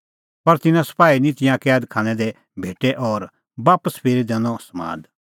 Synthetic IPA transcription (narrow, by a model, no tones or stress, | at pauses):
pɐɾt̪ɪnãsɐ̥paːinĩt̪ɪjãkɛːd̪kʰãːñɛ̃d̪ɛ | bʱeːʈɛʔɔːɾ | baːpəspʰeːɾid̪ɛːñɔ̃sɐmã̰ːd̪